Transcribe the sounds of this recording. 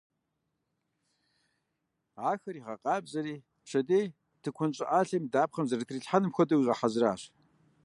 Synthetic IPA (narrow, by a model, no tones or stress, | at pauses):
aːxɐɾiːʁɐqʼɑːbzɐɾiː | pɕɐdeː | tʰɨkʷʰʊnt͡ʃʼɪʔaːɬɐmdaːpχɐmzɐrɐtʰriːɬħanɨmxʷɔdɐwiʁɐħazraːɕ